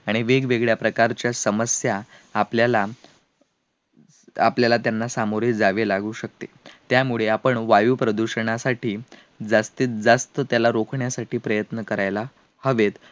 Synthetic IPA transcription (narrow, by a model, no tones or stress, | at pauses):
aɽ̃iʋeɡʋeɡɭjapɾəkaɾt͡ɕjasəməsjaːpljala | a̰pljalat̪janːasamoɾiːd͡zaʋelaɡuːɕək̚t̪et̪jamuɭeapəɳʋajuːpɾəd̪uɕəɳ̃asaʈʰiː | d͡zast̪iːt̪̚d͡zast̪ət̪jalaɾokʰɳjasaʈʰiːpɾəjət̪nəkəɾajla | həʋet̪